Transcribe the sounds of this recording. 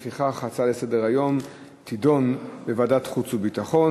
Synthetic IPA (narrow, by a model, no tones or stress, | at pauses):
fiχaχat͡sale̞sedeʁajo̞m | tido̞nbevadatχut͡subitaχo̞n